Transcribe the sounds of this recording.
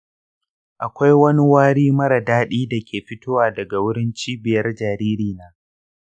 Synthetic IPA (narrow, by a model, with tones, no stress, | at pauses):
ʔa˨kʷa˦jwɐ˦ni˦waː˦ɽiː˦mɐ˦ɾɐ˨daː˦ɗiː˦da˨kʲeː˨ɸɪ˦tʊ˦waː˨dɐ˨ɡa˨wʊ˦ɽɪ˦nt͡ʃiː˦bɪ˨jɐ˦rd͡ʒaː˨ɾiː˦ɾiː˨naː˦